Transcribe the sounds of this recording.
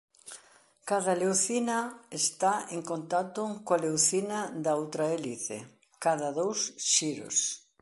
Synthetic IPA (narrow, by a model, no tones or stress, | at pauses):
kaðɐlewθinɐest̪aeŋkont̪at̪ʊkoalewθinɐd̪ɐowt̪ɾɐeliθḛ | kaðɐðowsʃiɾo̰s